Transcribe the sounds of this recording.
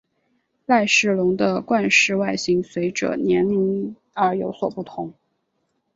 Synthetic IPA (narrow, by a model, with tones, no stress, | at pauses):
la˥˧ɪʂɻ̩˥˩lʊ˧˥ŋd̪ə˧kwa˥˧nʂɻ̩˥˧wa˥˩ɪɕi˥ŋswe˧˥ɪʈ͡ʂɤ̰˨˩njɛ˧˥nmi˧˥n | ə˞˧˥jo˧˥ʊswɔ˨˩pu˥˩t̪ʰʊ˧˥˦ŋ